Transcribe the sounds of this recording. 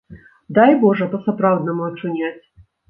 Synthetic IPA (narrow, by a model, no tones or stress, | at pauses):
d̪ajbɔʐɛpɐsɐpɾawd̪nɐmʊɐt͡ʂʊnʲat͡sʲ